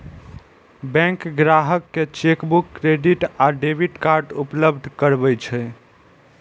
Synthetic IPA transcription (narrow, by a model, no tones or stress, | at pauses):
bɛ̃ŋkɡɾaɦəkːet͡ʃekbukːɾeɖiʈaɖebiʈkaɾɖupləbd̪ʱkəɾbɛt͡ʃʰɛ